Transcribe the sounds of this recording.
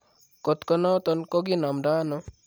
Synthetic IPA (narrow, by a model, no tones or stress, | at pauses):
kɔt̪kɔnɔt̪ɔnkɔɡinamɖanɔ